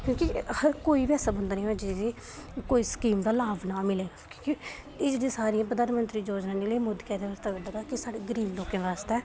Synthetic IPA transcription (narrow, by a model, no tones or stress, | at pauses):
kjõːkihəɾkoːiːʋɛːsaːbə̃nd̪aːnĩːd͡ʒɪd͡ʒiː | koːiːsə̥kiːmd̪aːlaːbnaːmɪleːɡaːkõ̥ːki | ɪd͡ʒdĩːsaːɾijãːp̬əd̪aːnmənt̪ɾiːd͡ʒoːd͡ʒnãːneːleːmʊd̪kɛːd̪eːʋaːst̪eːʋəɖaːɡ̪aːkɪsaːɽeːɡəɾiːbloːkẽːʋaːst̪eɛː